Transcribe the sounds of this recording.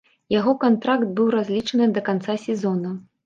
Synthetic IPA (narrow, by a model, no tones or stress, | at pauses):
jaɣɔkant̪ɾakt̪̚bɨwɾazʲlʲit͡ʂɐnɨd̪ɐkant̪sasʲɛzɔnɐ